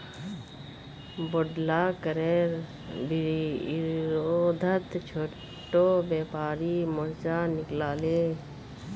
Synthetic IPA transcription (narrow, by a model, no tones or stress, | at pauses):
boɖlaːkəɾeːɾ | bi | ɾod̪ʱət̪t͡ʃʰoː | ʈːoːbeːpaːɾimoɾd͡ʒaːnɪklaːleː